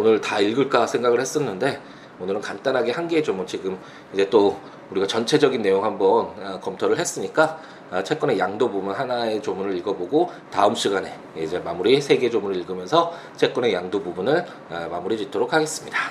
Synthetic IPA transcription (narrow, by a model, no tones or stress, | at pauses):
onɯɭtaiɭɡɯɭk͈asʰe̞ŋɡaɡɯɭhe̞s͈ʌnːɯnde̞ | onɯɾɯnkant͈anɦaɡe̞hanɡeːd͡ʑomunt͡ɕiɡɯm | id͡ʑe̞t͈o | uɾiɡat͡ɕʌnt͡ɕʰe̞d͡ʑʌɡinːe̞joŋɦhambʌnkʌmtʰoɾɯɭɦe̞s͈ɯɲik͈a | t͡ɕʰe̞k͈ʌne̞jaŋdobumunhanae̞t͡ɕomuɾɯɾiɭɡʌboɡo | taɯmɕ͈iɡane̞ | id͡ʑe̞mamuɾisʰeɡe̞d͡ʑomuɾɯɭiɭɡɯmjʌnsʰʌ | t͡ɕʰe̞k͈wʌne̞jaŋdobubunɯɭ | mamuɾid͡ʑitʰoɾokʰaɡe̞s͈ɯmɲida